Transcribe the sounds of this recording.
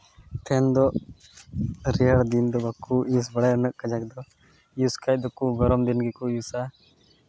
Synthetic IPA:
t̪ʰɛnd̪ɔ | ɾɛəɽd̪ind̪ɔbakuis̬bəɽaənəʔkːəd͡ʒakd̪ɔ | juskajd̪ɔkuɡɔɾɔmd̪inɡikujusa

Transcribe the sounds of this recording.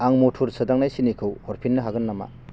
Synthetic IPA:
aŋmotʰuɾsɯdaŋnajsinikʰɯwhɔɾpʰinːɯɦaɡɯnːama̰

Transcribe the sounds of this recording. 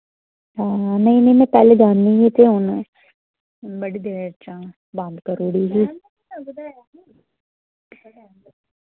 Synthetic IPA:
ɦãːnɐɦĩnɐ̃ĩmɛ̃pɛːleɡaːnːĩjet̪ʰeon | bɐɽid̪eːɾət͡ʃãː | bãːnd̪kɐɾoːɽiɦiː

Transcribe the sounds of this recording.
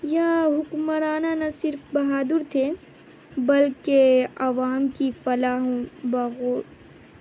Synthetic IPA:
jaɦʊkməɾaːnanɐsɪɾfbɐɦaːd̪ʊɾt̪ʰe | bɐlkeɐʋaːmkifɐlaːɦõbɐɣoː

